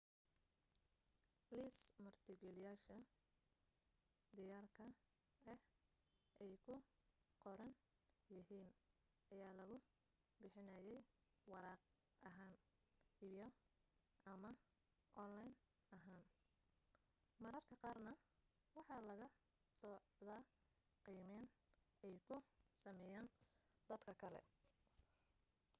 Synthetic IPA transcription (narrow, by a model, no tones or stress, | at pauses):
liːsmɐrt̪ʰɪɡɛlɪjaːʃɐ | d̪ɪjaːrkʰɐ | ɛ | ʔɛjkʰʊqɔɾɐn | jɪɦiːn | ʔɐjaːlɐɣʊ | bɪħɪnaːjɛj | wɑɾɑːq̚ | ɐɦaːn | ijɔ | ʔɐmɐ | ʔɔnlajn | ɐɦaːn | mɐɾɐrkʰɐqɑːrnɐ | wɑħɑlɐɣɐ | sɔː | ðaː | qiːmɛn | ɛjkʰʊsɐmɛjaːnd̪ɐd̪kʰɐkʰɐlɛ̰